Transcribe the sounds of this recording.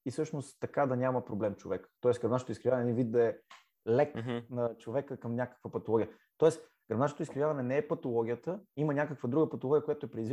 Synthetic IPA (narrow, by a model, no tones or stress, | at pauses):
isɤʃnost̪t̪ːɐkad̪ɐnʲamɐpɾoblɛmt͡ʃovɛkə̥t̪ɔɛsɡɾɐbnaʃot̪oiskɾivavnɛĩvit̪d̪ɐɛ | lɛknɐt͡ʃovɛkəkɐmnʲakə̥kvəpɐt̪olˠɔɡʲjə | t̪ɔɛs | ɡ̥ɾɐbnaʃot̪iskɾivjavɐnɛnɛɛpɐt̪olˠɔɡʲijət̪əimənʲakəkvəd̪ɾuɡəpɐt̪olˠɔɡʲijəkojat̪oɛpɾɛd̪izvi